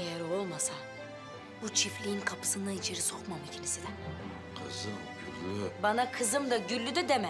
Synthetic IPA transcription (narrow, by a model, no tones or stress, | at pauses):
ejɛɾo̞lˠmasa | but͡ʃʰiflʲijinkʰapʰɯ̥sɯnd̪ait͡ʃʰeɾisoχmamicʲʰilisid̪ɛ | qʰɯzɯmɟylybanakʰɯzɯmd̪aɟylʲːyd̪ɛd̪emɛ